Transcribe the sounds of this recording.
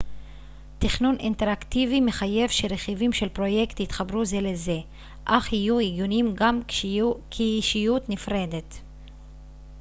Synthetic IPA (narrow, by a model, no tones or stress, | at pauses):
tiχnuninteɾaktivime̞χaje̞vʃe̞ɾe̞χivimʃe̞lpʁo̞je̞kt̪it̪χabɾuze̞leze̞ | ʔaχhijuiɡjunimɡamkʰeiʃijutnifʁe̞de̞t